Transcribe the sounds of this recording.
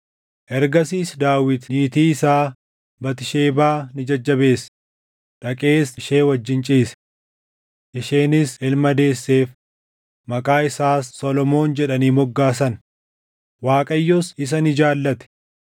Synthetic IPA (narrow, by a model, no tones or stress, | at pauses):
ʔɛɾɡɐsiːsd̪aːwɪt̪niːt̪iːɪsaː | bɐt̪ɪʃeːbaːnɪd͡ʒɐd͡ʒːɐbe̞ːs | ᶑɐkʼe̞ːsɪʃe̞ːwɐd͡ʒːɪnt͡ʃʼiːsɛ̥ | ʔɪʃeːnɪsɪlmɐd̪e̞ːsːe̞ːf | mɐkʼaːɪsaːsːɔlɔmo̞ːnd͡ʒɛᶑɐniːmɔɡːaːsɐn | waːkʼɐjːosɪs̬ɐnɪd͡ʒaːlːɐt̪ɛ̥